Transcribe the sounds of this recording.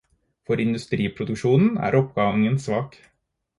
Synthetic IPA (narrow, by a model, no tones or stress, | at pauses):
fɔɾɪnd̪ʉst̪ɾiːpʰɾʊd̪ʉkʃuːnn̩æ̰ːɾɔpɡɑŋənsʋɑːk